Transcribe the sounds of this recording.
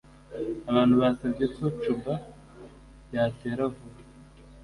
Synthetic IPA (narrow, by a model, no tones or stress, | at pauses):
aβaːn̥huβasabɟekot͡ʃuba | jaːteɾavuɾa